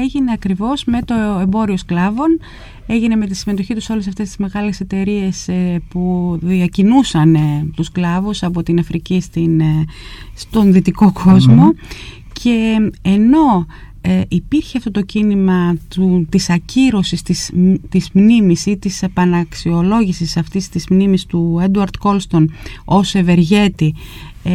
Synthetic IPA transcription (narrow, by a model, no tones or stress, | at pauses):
eʝine̞ɐkɾivo̞zme̞t̪o̞e̞mbo̞ɾio̞sklɐvo̞n | e̞ʝine̞me̞t̪isime̞t̪o̞çit̪uso̞lesɐft̪e̞st̪izme̞ɣɐle̞se̞t̪e̞ɾie̞spuðiɐcinusɐnt̪usklɐvusɐpo̞t̪inɐfɾicist̪in | st̪o̞nðit̪iko̞kʰo̞zmo̞ | cʰe̞e̞no̞ | eʔipiɾçeɐft̪o̞t̪o̞cinimɐt̪ut̪isɐciɾo̞sist̪ist̪izmnimisit̪isepɐnɐksio̞lo̞ʝisisɐft̪ist̪izmnimist̪ued̪uɐɾd̪ko̞lst̪o̞no̞seve̞ɾʝe̞t̪i